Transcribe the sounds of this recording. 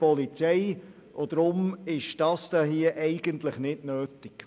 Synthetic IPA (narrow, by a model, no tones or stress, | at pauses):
pɔlit͡sɛɪ | ʔod̥̪ɾʊmɪʃd̥ɑsd̥ɑɦiəʔɛɪɡəntləχnɪdnøːtɪk